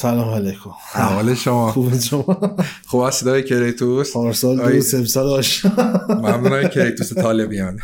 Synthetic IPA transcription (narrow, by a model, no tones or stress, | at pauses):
salɒːmalejkʰomaɒleʃomɒːxubeʃomɒxuːbæsːed̪ɒːjecʰeɾejt̪ʰusʰɒːɾsɒːlɒːjusebsɒːlɒːʃɔmæmnunːjkʰeɾejt̪uset̪ʰɒːlebijɑn